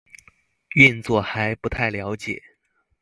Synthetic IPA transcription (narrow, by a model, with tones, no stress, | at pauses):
y˥˧nt͡swɔ˥˩xa˧˥ɪpu˧˥t̪ʰa˥˩ɪljɑ˧˥ʊt͡ɕjɛ̰˨˩˦